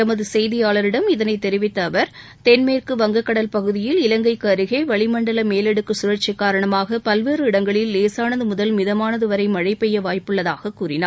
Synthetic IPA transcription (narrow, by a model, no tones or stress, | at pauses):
t̪ɐmɐðɯsɛjðɪjaːɭɐɾɪɽɐmɪðɐnɐɪt̪ɛɾɪʋɪt̪ːɐːʋɐɾ | t̪ɛnmeːrkɯʋɐŋɡɐkːɐɽɐlpɐɣɯðɪjɪlɪlɐŋɡɐɪkːaɾɯɣeːʋɐɭɪmɐɳɖɐlɐmeːlɛɽɯkːɯsʊɾɐɾt͡ʃːɪkːaːɾɐɳɐmaːɣɐpɐlʋeːrɯɪɽɐŋɡɐɭɪlːeːsaːnɐðɯmʊðɐlmɪðɐmaːnɐðɯʋɐɾɐɪmɐɻɐɪpːɛjːɐʋaːjpɯɭːɐðaːɣɐkːuːrɪna̰ːɾ